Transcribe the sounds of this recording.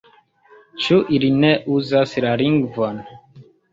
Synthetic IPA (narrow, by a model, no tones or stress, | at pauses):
t͡ʃuʔilineʔuzaslaliŋɡvon